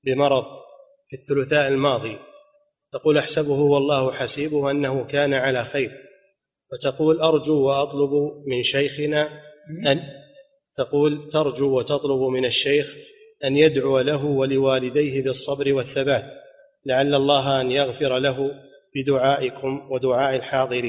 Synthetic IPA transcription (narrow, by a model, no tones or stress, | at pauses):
bɪmɑɾˤɑðˤ | fiθːʊlʊθaːʔɪlmɑːðˤiː | t̪ɑquːlʔaħsabʊhʊwɑlˤːɑːhʊħasiːbʊhʔanːahʊkaːnaʕalaːxajɾ | wat̪aquːlʔɑɾˤd͡ʒuːwaʔɑt̪ˤlʊbmɪnʃajxɪnaː | t̪aquːlt̪ɑɾˤd͡ʒuːwat̪ɑt̪ˤlʊbmɪnaʃːajx | ʔanjad̪ʕʊwalaɦʊwalɪwaːlɪd̪ajɦɪbɨsˤːɑbɾɪwaθːabaːt̪ | laʕalːɑlˤːɑːɦʔanjaɣfɪɾalaɦʊ | b̥ɪd̪ʊʕaːʔɪkʊmwad̪ʊʕaːʔalħɑːðˤɨɾiːn